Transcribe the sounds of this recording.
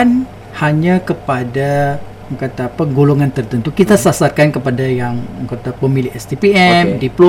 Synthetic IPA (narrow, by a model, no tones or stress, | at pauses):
n | haɲakəpada | kat̪aːpəɡoloŋant̪ərt̪ənt̪ukit̪asasarkankəpadajaŋkat̪apəmilɪɦɛst̪ipiɛmdiplo